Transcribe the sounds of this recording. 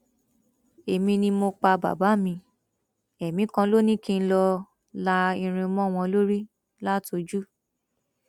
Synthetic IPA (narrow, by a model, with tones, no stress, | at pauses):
e˨mĩ˧nĩ˧mo˧k͡pa˧ba̰˨ba˨˦mĩ˧ | ɛ˨mĩ˨˦kã˧lo˦nĩ˦˨kĩ˦˧n̩˦˧lɔ˧ | la˧ĩ˧ɾ̃ĩ˧mɔ̃˦˨w̃ɔ̃˧lo˦ɾi˦ | la˦to˧d͡ʒu˦